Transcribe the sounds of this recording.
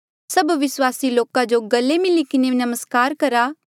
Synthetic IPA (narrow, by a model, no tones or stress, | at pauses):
sɐbʋɪswaːsiloːkãd͡ʒoɡɐlːemɪlikɪnenɐməskaːɾkɐɾaː